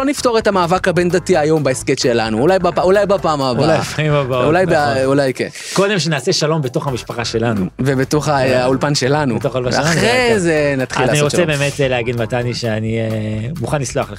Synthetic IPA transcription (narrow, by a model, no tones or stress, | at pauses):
lonifto̞ʁetamaːvakhabend̪at̪iajo̞mbaesket̪ʃelanuːlajbapaulajbapaːmabalajfaimabaulajbaulajkḛn | ko̞d̪e̞mʃenaːseʃalo̞mbeto̞χamiʃpaχaʃe̞lanuvebet̪o̞χaaulpanʃe̞lanutoχolvaaaʁezenat̪χilaniʁot͡sebeːmetleaɡid̪mataniʃeanimuχanlisloaχle